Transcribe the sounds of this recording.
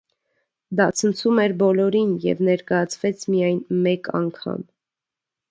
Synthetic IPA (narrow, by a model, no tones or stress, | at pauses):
d̪ɑt͡sʰənt͡sʰumɛɾbɔlɔɾinjɛ̰vnɛɾkɑjɑt͡sʰvɛt͡sʰmijɑjnmɛkʰɑ̰ŋkʰɑ̰m